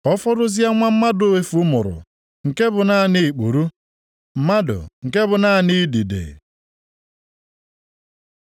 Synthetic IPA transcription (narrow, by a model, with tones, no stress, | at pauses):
ɔ˦fɔ˦ɾʊ˦zja˦ŋʷa˦m̩˦ma˦dʊ˨˦e˦˨fu˨˦mʊ˨ɾʊ̰˨ | ŋ̩˨ke˦bʊ˨na˦˨ni˨k͡pu˨ɾu˦ | m̩˦ma˦dʊ̰˨ŋ̩˨ke˦bʊ˨na˦a˨ni˦di˨dḛ˨